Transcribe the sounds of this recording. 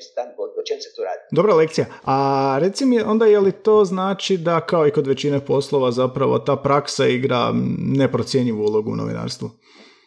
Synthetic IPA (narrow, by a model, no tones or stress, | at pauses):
st̪ankod̪ot͡ʃemset̪oɾa̰ːd̪id̪o̞bɾale̞kt̪sijaaɾe̞t̪simieʔo̞nd̪ajelit̪o̞znaːt͡ʃid̪akao̞iko̞d̪ʋe̞t͡ɕinepo̞slˠo̞ʋazapɾaʋo̞̰t̪aːpɾaksaiɡɾa̰ne̞pɾo̞t̪sje̞ɲiʋuulˠo̞ɡuṵno̰ʋḭna̰ːɾst̪ʋu